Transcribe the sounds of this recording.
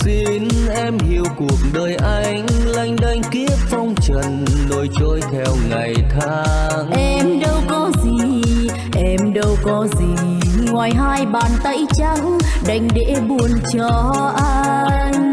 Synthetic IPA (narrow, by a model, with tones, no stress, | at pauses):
si˧nʔɛ˧mhi˧˩əwku˨˩ək̚ɗəː˨˩jʔa˧jŋ̟la˧˩jŋ̟ɗa˧jŋ̟ki˦˥əp̚fɔ˧wŋ͡mt͡ɕə˨˩nːo˧jt͡ɕo˧˦jt̪ʰɛ˧wŋa˨˩jt̪ʰa˧˦ | ŋʔɛ˧mɗə˧wkɔ˨˦zi˨˩ | ʔɛ˧mɗə˧wkɔ˨˦zi˨˩ | ŋwaː˨˩jɦaː˧jɓaː˨˩nt̪ə˧˥jt͡ɕa˧ŋɗa˧˩jŋ̟ɗḛ˧˥ɓu˨˩ənt͡ɕɔ˧ | ʔa˧ | ŋ̟